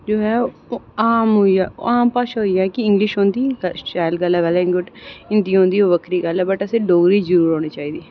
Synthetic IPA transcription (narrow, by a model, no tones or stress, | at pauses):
d͡ʒoːɦɛːaːmɦoia̰ːaːmpaːʃaɦoiːaːkɪɪ̃ŋɡlɪʃɦõːnd̪iːɡt͡ʃaːlɡəlɛʋəlɛɪŋɡʊʈɪnd̪iːɦõːnd̪iːoːʋəkɾiːɡəlɛːbəʈəseːɖoːɡɾiːzəɾuːɾɦoːɽ̃iːt͡ʃaːiːd̪iː